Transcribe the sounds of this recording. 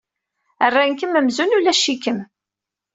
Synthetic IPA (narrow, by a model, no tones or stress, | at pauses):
ərːankəməmzunulæʃːikəm